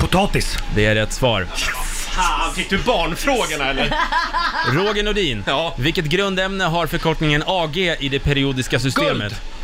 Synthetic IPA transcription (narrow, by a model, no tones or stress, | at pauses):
pʰʊt̪ʰɑːt̪ɪsd̪ɛæɾɛt̪svɑ̰ːɾ | fɪk̚ːd̪ɵbɑːɳfɾoːɡəɳaɛlːəɾ | ɾoːɡənɔd̪iːnːvɪlkːət̪̚ɡɾɵnd̪ɛmnəɦaɾfœɾkʰɔʈnɪŋənɑːɡeːʔɪd̪ɛpʰɛɾɪuːd̪ɪskasʏst̪eːmət̪